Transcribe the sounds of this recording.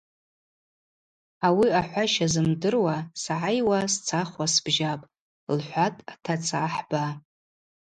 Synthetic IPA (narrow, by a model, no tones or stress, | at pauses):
awiaħʷaʃazɨmdɨrwasaʕajwast͡sʰaχʷasb̥ʒapʼ | lħʷatʼatʰat͡sʰaħba